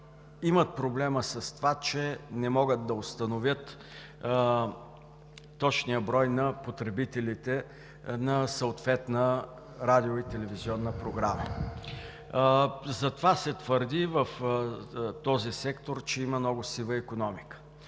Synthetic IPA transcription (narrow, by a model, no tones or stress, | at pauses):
imət̪̚pɾoblɛməsɐst̪ovat͡ʃɛnɛmɔɡət̪̚d̪ɐost̪ənovjət̪ | ɔt͡ʃnijəbɾɔjnɐpot̪ɾɛbit̪ɛlit̪ɛ | nɐsəot̪vɛt̪nə | ɾad̪ioit̪ɛlɛviziɔnːəpɾoɡɾamə̰ | zɐt̪ovasɛt̪vəɾd̪ivəf | t̪ɔzisɛkt̪oɾt͡ʃɛiməmnɔɡʊsivˠəikonɔmikə̥